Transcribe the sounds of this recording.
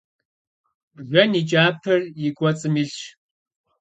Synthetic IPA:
ʒʷɔnit͡ʃʼaːpʰɨrjɪɡʷʼɔt͡sʼɨmiɮ

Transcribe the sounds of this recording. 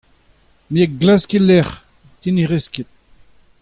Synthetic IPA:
miek̚ɡlaskilɛʁ | t̪iniʁeskit̪̚

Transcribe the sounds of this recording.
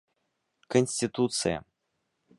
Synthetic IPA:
kənʲsʲtʲit̪ut̪sɨja̰

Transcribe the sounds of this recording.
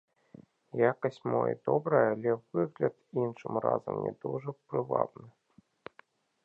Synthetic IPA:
jakɐsʲt͡sʲmɔjɐ̰d̪ɔbɾɐjɐːlʲɛvɨɣlʲɐt̪inʂɨmra̰zɐmnʲɛ̰d̪uʐɐpɾɨvabnɨ

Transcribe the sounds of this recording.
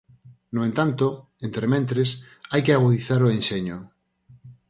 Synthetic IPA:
noent̪ant̪o | ent̪ɾemẽnt̪ɾes | ajkeaɣuðiθaɾoenʃeɲo

